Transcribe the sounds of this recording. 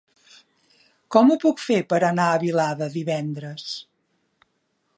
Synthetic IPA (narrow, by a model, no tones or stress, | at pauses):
kɔmupukfepəɾənaəβilaðəðiβɛnd̪ɾəs